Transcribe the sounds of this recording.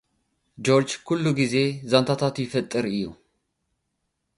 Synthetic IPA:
d͡ʒo̞ɾd͡ʒkʰulːuɡize̞zant̪ʰat̪ʰat̪jɪfɐt̪ʼːɨɾɨjːṵ

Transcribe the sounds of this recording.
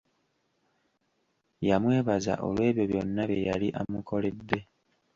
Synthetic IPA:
jamwe̞ːβaza̰ʔo̰lwe̞ːβjo̞βjo̞nːaβjḛjaliʔamukʰo̞ledːe̞

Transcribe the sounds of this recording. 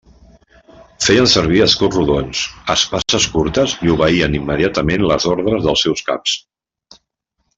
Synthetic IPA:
fejənsəɾβ̞iəskoruðonsəspasəskuɾt̪əziuβəiənimːəðiat̪əmenləzɔɾðɾəzðəlˠsɛwska̰ps

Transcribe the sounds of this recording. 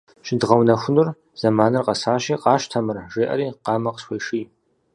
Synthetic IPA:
ʃɪdʁɐwnɐxʷʊnɨr | z̥ɐmaːnɨrqɐsaːʃiːqɑːʃtʰɐmɨrʒeːʔɐ̰ɾiːqɑːmɐqə̥sxʷejʂiː

